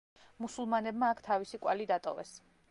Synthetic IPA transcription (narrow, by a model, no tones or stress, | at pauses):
musulˠmanɛbmaːkʰt̪ʰavisikʼwa̰lid̪at̪ʼɔ̰vɛ̰s